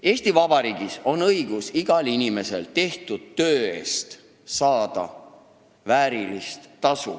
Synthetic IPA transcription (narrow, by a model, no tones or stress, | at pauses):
e̞ːsʲt̪ivɑb̥ɑɾiːɡ̥iso̞nɤjɡ̥usiɡ̥ɑlinime̞se̞̰lt̪e̞ht̪ud̪̥̚tø̞ːe̞̰ːst̪ | sɑːd̪̥ɑ̰ | væːɾilist̪ːɑsṵ